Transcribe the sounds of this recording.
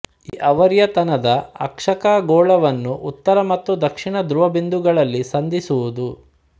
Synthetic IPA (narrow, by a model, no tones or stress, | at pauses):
iːʔɐʋɐɾjɐt̪ɐnɐd̪ɐɐ̰kʂɐkaːɡɔːɭɐʋɐnːuʔut̪ːɐɾɐmɐt̪ːud̪ɐkʂiɳɐd̪ɾuʋɐbind̪uɡɐɭɐlːisɐnd̪isuʋud̪u